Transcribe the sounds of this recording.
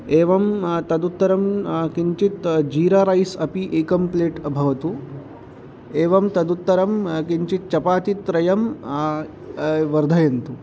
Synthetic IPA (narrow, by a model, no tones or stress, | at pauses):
eːʋɐmt̪ɐd̪ut̪ːɐɾɐmkiɲt͡ʃit̪d͡ʒiːɾaːɾɐjsɐpiʔeːkɐmpleːʈɐbʱɐʋɐt̪u | eːʋɐmt̪ɐd̪ut̪ːɐɾɐmkiɲt͡ʃit̪̚t͡ʃɐpaːt̪it̪ɾɐjɐm | ʋɐɾd̪ʱɐjɐnt̪u